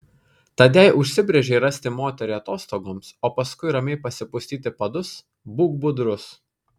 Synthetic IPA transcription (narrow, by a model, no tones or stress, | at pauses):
t̪ɐd̪ʲɛɪʔʊʃʲsʲɪbʲɾʲɛʒʲɛɪɾɐsʲt̪ʲɪmoːt̪ʲɛɾʲɛɐt̪oːst̪oːɡoːmsoːpɐskʊɪɾɐmʲɛɪpɐsʲɪpʊsʲt̪ʲiːt̪ʲɪpɐd̪ʊs | buːɡ̚bʊd̪ɾʊs